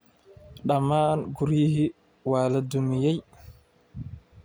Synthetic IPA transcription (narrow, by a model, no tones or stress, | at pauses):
ɗamaːnɡuɾiːhi | waːladumijej